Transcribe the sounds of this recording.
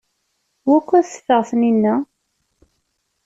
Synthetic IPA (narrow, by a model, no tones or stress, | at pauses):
wækʷːæθə̥fəʁθninːæ